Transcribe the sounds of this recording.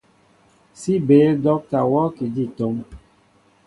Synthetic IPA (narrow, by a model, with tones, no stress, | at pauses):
si˦be˨˦dɔ˦k̚ta˨wɔ˦ki˨d͡ʒi˦˨to˦ŋ